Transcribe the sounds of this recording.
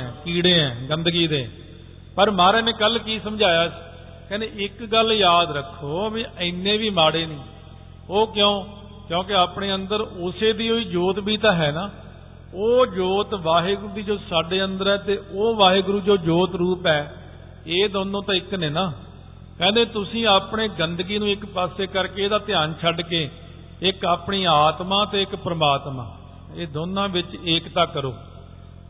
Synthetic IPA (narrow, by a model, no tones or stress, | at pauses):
kiːɽeːɛ̃ːɡənd̪ɡiːd̪eː | pəɾmaːɾeːneːkəlkiːsəmd͡ʒaːjaːs | kɛ̃ːeɪkɡəljaːd̪ɾəkʰːoːbiːɪnːẽːʋiːmaːɽeːnĩː | oːkjõː | kjõːkɪaːpɳeːənd̪əɾʊseːd̪iːoːiːd͡ʒoːt̪biːt̪aːɦɛːnaː | oːd͡ʒoːt̪ʋaːɦeːɡɾuːd̪iːd͡ʒoːsaːɖeːənd̪əɾɛːt̪eːoːʋaːɦeːɡʊɾuːd͡ʒoːd͡ʒoːt̪ɾuːpɛː | eːd̪oːnːõːt̪ãːɪkneːnaː | kɛ̃ːnd̪eːt̪ʊsĩːaːpɳeːɡənd̪ɡiːnũːɪkpaːseːkəɾkeeːd̪aːt̪ɪjaːnt͡ʃʰəɖkeː | ɪkaːpɳiːaːt̪mãːt̪eːɪkpɾəmaːt̪mã̰ː | eːd̪oːnãːʋɪt͡ʃeːkt̪aːkːəɾo̰ː